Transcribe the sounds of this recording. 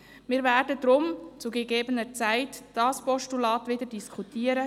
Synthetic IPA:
mɪːɾvæːɾdəd̪ɾʊmt͡suɡeɡeːbənəɾt͡sæɪtd̥ɑːspɔʃtulɑːtʋɪdəɾdiskʰutiːəɾə

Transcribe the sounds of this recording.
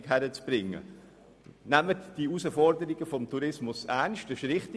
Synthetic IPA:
kɦæɾət͡sb̥ɾɪŋːə̰ | næmətd̥iusəfɔɾdəɾiɡəfɔmtʰuɾɪsmʊsænʃtəʃɾɪχt

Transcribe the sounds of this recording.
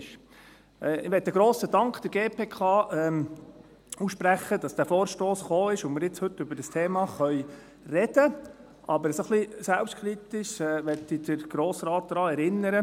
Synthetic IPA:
ʃ | ɛɪʋɛt̪̚ːdəɡ̥ɾoːsədɑŋkd̥̪əɾɡeːpʰeːkʰɑːɛ | usʃpɾæχəd̪ɑsd̥æːfoːɾʃtoːsχoːɪʃʊnmɪɾjɪt͡shɵt̪ːʏbəɾdəstʰeːmɑχœʏ | rɛd̥ə | ʔɑbəɾəsoχlisælpʃtkʰɾit̪ɪʃɛːʋɛtːidəɾɡ̥ɾoːsɾɑːt̪̚d̥̪ɾɑːɛɾɪnːəɾə

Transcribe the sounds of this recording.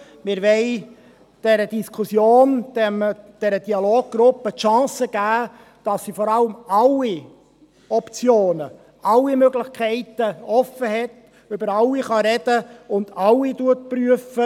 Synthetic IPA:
mɪɾʋɛɪ | d̥ɛɾəd̥iskʰʊsjoːnd̥ɛmd̥ɛɾəd̥iɑloːɡ̚ɡ̥ɾʊpːətʃɑ̃ːsəɡ̥æː | d̥ɑsːifɔɾɑləmɑlːi | ɔpt͡sjoːnə | ʔɑlːimøɡlɪχkʰɛɪt̪əɔfːəɦɛt̪ | øbəɾɑlːiχɑɾɛd̥əʊnd̥̪ɑlːituət̚pɾyəfə

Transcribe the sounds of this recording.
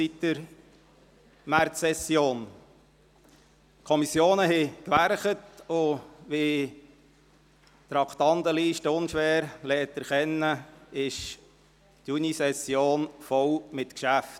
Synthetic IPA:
sit̪dəɾ | mæɾtsɛsːjoːn | kʰɔmisjoːnəɦɪkʋæɾχətʊʋɪ | t̪ɾɑkʰtɑndəliːʃtəʊnʃʋæːɾlɛːt̪əɾχɛnːəɪʃ | tjunisɛsjoːnfɔwmɪt̪kʃæft

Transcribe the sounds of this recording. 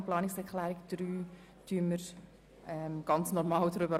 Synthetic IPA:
plɑːnɪksɛɾkʰlæːɾɪɡd̪̥ɾyː | d̥yəmːəɾ | ʔɛmɡ̥ɑnt͡snɔɾmɑːldɾʏbə

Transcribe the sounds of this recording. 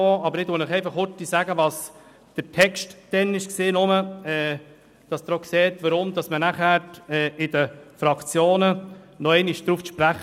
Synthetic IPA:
oːɑbəɾɪdʊnɪχɛɪfɑχhʊt̪ːisæɡəʋɑs | d̥əɾtʰɛkstd̥ɛnɪʃkseːnʊməɛː | d̥ɑsd̪ɾɔkseːt̪ʋəɾʊmd̪ɑsmənæχæːɛːɪdəfɾɑkt͡sjoːnə | nɔɛɪniʃd̥̪ɾuːfʃpɾæχ

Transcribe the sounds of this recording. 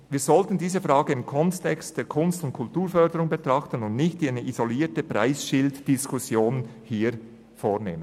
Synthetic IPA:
viːzɔltən̩diːzəfʁɑːɡəɪmkʰɔnstʰɛkstd̥eːɐkʰʊnstʊnt̚kʰʊltuːɾfœɐdəɾʊŋbətʁ̥ɑχtən̩ʊndnɪçtinəʔizoliːtəpra̰ɪsʃɪltd̥ɪskʰʊsjoːn | hiː | foːneːmənn

